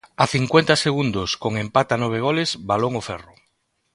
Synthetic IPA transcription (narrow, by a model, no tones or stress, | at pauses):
aθiŋkwent̪aseɣund̪oskoŋempat̪anɔβ̞eɣ̞olezbaloŋofɛrʊ